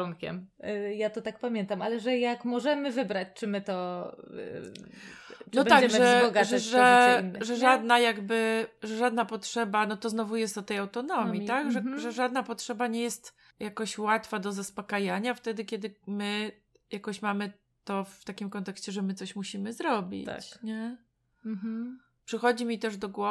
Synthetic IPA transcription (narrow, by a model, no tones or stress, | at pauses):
unkʲɛ̰mjat̪ɔt̪ak̚pamʲjɛnt̪amalɛʐɛjakmɔʐɛmɘvɘbɾat͡ɕt͡ʂɘmɘt̪ɔ | nɔbɛɲaɡd͡ʑɛmʐɛbɔɡaʐɛinːʐɛʐad̪najaɡbɘʐɛʐad̪napɔtʂɛbanɔt̪ɔznɔvujɛst̪ɔt̪ːɛjawt̪ɔnɔmʲjit̪aɡʐɛʐɛʐad̪napɔtʂɛbaɲɛjɛst̪ | jakɔɕwat̪fad̪ɔzaspɔkajaɲaft̪ɛd̪ɘkʲɛd̪ɘmɘ | jakɔɕmamɘ | t̪ɔft̪akʲimkɔnt̪ɛkɕt͡ɕɛʐɛmɘt̪sɔɕmuɕimɘzɾɔbʲḭt̪a̰t͡ɕɲɛ | pʂɨxɔd͡ʑimʲit̪ɛʐd̪ɔɡwɔ